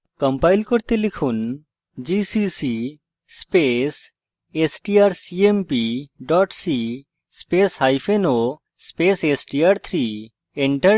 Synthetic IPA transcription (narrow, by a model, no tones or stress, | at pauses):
kɔmpajlkoɾt̪elikʰun | d͡ʑisisi | spes | esʈiaɾsiempiɖɔʈsi | speshajpʰeno | spesesʈiaɾt̪ʰɾi | eɳʈə